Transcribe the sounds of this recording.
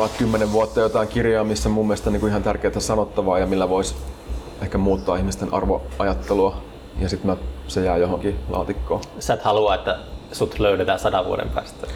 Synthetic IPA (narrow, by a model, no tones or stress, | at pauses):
ʋɑt̪kymːeneʋʋuɑt̪ːɑjot̪ɑiŋkirjɑːmisːæmumːiest̪æniːŋkuihɑnt̪ærkeːt̪æsɑnot̪ːɑʋɑːjɑmilːæʋois | ehkæmuːt̪ːɑːihmist̪enʔɑ̰rʋo̰ʔɑjɑt̪ːeluɑ | jɑsit̪mætsejæːjoɦoŋkilɑ̰ːt̪ikːoːsæt̪hɑluɑːet̪ːæsut̪løylet̪æːsɑdɑʋʋṵo̰ɾḛmpæ̰ːst̪æ̥